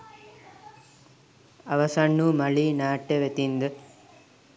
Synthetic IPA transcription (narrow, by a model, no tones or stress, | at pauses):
ɐʋɐsɐɳːumɐɭinaːʈːeʋet̪ind̪ɯ